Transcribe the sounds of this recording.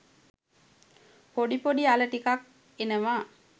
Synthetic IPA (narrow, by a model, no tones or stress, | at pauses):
poɖipoɖialəʈikak̚ | enəʋaː